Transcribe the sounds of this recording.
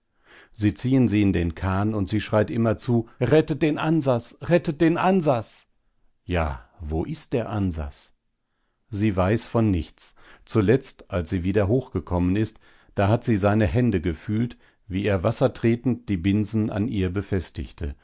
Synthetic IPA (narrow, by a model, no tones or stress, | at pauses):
ziːt͡siːənziːɪndeːnkʰaːnʊntz̥iːʃʁ̥aɪtʔɪmɐt͡suːʁɛtət̚d̥eːnʔanzat͡sʁɛtət̚d̥eːnʔanzat͡s | ja̰ːvoːʔɪst̚d̥eːɐʔanza̰t͡s | ziːvaɪsfɔnːɪçt͡st͡sulɛt͡stʔalsz̥iːviːdɐɦoːxɡ̥əkʰɔmənɪst | d̥aːhatz̥iːzaɪnəɦɛndəɡəfyːlt | viːeːɐvasɐtʁ̥eːtn̩td̥iːbɪnzn̩a̰nʔiːɐbəfɛstɪ̰çtʰə̰